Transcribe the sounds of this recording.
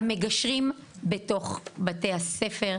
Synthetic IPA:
me̞ɡaʃʁimbeto̞χbate̞jhasefe̞ʁ

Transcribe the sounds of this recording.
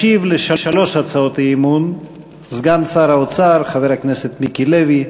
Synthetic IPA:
ivleʃaʃalo̞ʃhat͡sao̞t̪aimun | zɡansaɾaot͡saɾχave̞ʁhaknese̞t̪mikilevi

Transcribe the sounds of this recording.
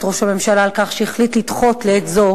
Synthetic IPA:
tʁoʃame̞mʃalaːlkaχʃeeχlitlit̪χo̞tleetzo

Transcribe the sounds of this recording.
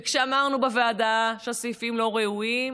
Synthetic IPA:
kʃeamaʁnubavead̪aʃeasifimlo̞ʁeuim

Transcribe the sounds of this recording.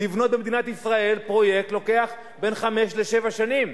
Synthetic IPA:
ivno̞t̪̚bemed̪inat̪isʁae̞lpʁo̞je̞k̚t̪lo̞ke̞aχ | be̞nχame̞ʃle̞ʃe̞vaʃanim

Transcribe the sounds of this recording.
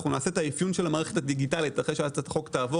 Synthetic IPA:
χunaːse̞taifjunʃelamaːʁeetadiɡitalitaχeʃeatt̪aχo̞ktaːvo

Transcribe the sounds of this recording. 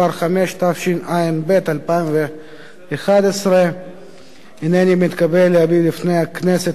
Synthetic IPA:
aɾχameʃt̪afʃinaimbet̪alpaimveː | χad̪esʁe | hinenimit̪kabelːeabilifnejakneset

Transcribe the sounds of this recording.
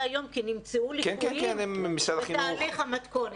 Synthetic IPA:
ajo̞mkinimt͡seulikenkenkenemːisadaχialeχamat̪kon

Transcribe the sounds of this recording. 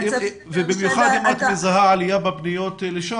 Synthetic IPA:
vebimjuχad̪imat̪mezaɦaalijababnijo̞t̪leʃa

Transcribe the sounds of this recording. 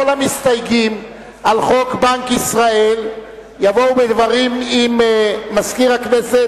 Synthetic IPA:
olamist̪ajɡim | alχo̞kbaŋkisʁael | javo̞wbed̪vaʁimimːaskiʁaknese

